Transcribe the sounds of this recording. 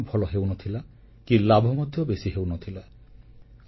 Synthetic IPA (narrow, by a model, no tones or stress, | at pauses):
bʱɔlɔɦewnot̪ʰila | kilabʱɔmɔd̪ʱjɔbesiɦewnot̪ʰila